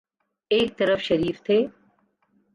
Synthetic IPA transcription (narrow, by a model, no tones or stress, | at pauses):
eːk̚t̪əɾəfʃəɾiːft̪ʰeː